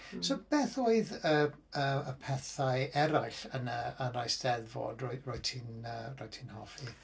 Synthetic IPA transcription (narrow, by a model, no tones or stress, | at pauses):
sob̥ɛːθoːɨðə | əəpʰɛθaɨɛɾajɬənəanrajsd̥ɛðvɔ̰droɨroɨtʰinəroɨtʰinhɔfi